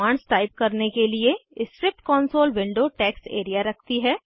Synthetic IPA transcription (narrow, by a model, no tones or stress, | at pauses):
aːɳst̪aːɪb̚kɐɾnekelieɪskɾɪp̚ʈkɔːnsoːlʋɪ̃ɳɖoːʈɛːksḛːɾijaɾɐk̚ʰt̪iɦɛː